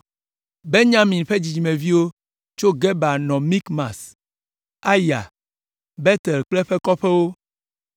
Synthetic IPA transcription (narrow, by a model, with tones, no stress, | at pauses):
be˦ɲã˦mĩ˨nɸe˦d͡ʑi˨d͡ʑi˨mẽ˨vi˦wo˦ | t͡ʃo˦ɡɛ˦ba˨nɔ̃˨mĩ˦kmã˨s | a˦ja̰˨ | bɛ˦t̪ɛ˨lk͡plɛ˦ɸɛ˦kɔ˦ɸɛ˦wo˦